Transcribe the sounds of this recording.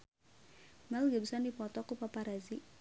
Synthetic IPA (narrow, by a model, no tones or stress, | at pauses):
malɡabisɔndipɔt̪ɔkupapaɾazi